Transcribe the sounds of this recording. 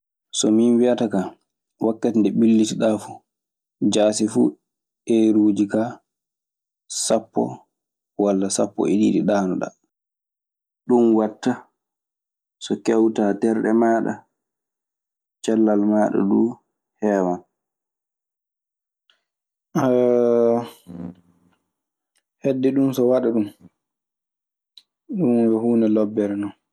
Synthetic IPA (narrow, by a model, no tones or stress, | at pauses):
sɔminwiataka | wakːatindɛbilːitiɗafu̥ | d͡ʒaːsifṵ | ʔɛɾuːd͡ʒika | sapːɔ̰ | walːasapːɔ̰iɗiɗiɗaːnɔɗa̰ | ɗunwatːa | sɔkɛwtaːtɛɾɗɛ̰maːɗa̰ | t͡ʃalːalmaːɗɔ̰ɗuː | hɛːwan | hedːɛɗumsɔwaɗaɗum | ɗunwɛhuːnɛlɔbːɛɾnɔn